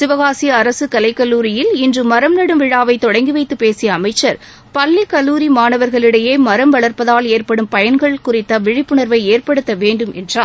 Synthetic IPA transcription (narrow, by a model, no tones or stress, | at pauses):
sɪʋɐɣaːsɪjɐːɾɐsɯkɐlɐɪkːɐlːuːɾɪjɪlɪndrɯmːɐɾɐmnɐɽɯmʋɪɻaːʋɐɪt̪ɔɽɐŋɡɪʋɐɪt̪ːɯpeːsɪjɐːmɐɪt͡ʃːɐɾ | pɐlːikːɐlːuːɾimaːnɐʋɐɾɣɐɭɪɽɐjeːmɐɾɐmʋɐɭɐɾpɐðaːleːɾpɐɽɯmpɐjɐnɡɐɭkʊɾɪt̪ːɐʋɪɻɪpːɯɳɐɾʋɐɪeːrpɐɽɯt̪ːɐʋeːɳɖɯmʔɛndraː